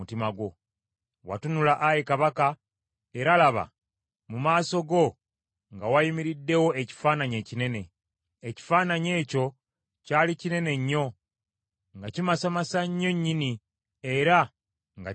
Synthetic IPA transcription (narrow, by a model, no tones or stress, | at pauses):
utimaɡwo̞ | wa̰tunulaʔajekaβaka | e̞ɾalaβa̰ | mumaːso̞ɡo̞ | ŋɡawajimiɾidːe̞wo̞eci̥faːnaɲe̞ːcine̞ne̞ | eci̥faːnaɲe̞ːco̞ | caːlicine̞ne̞ɲːo̞ | ŋɡacimasamasaɲːo̞ɲːini | e̞ɾa | ŋɡa̰